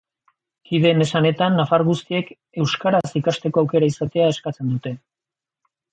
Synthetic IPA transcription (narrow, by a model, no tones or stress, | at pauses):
kiðe̞ne̞sane̞t̪anːafaɾɣust̪ie̞k | e̞wskaɾasikast̪e̞ko̞awke̞ɾaisat̪e̞ae̞skat͡se̞nd̪ut̪e̞